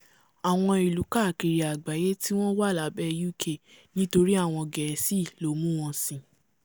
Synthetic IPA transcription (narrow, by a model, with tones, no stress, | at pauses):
a˨w̃ɔ̃˧i˨lu˨˦ka˦˨ki˨ɾi˨a˨ɡ͡ba˨je˦ti˦w̃ɔ̃˦wa˦˨la˨˦bɛ˦ju˦kʰe˦˨ | nĩ˦to˧ɾi˦a˦˨w̃ɔ̃˧ɡɛ˨˦si˦˨lo˨˦mũ˦w̃ɔ̃˧sĩ˨